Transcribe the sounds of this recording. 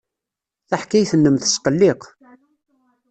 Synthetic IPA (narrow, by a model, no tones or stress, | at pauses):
θaħkæjθənːəmθə̥sqəlːɪq